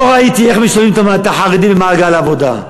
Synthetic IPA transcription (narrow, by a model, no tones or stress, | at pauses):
oʁait̪ieχmiʃavimt̪amat̪aħaʁid̪ibemaːɡalavo̞d̪a̰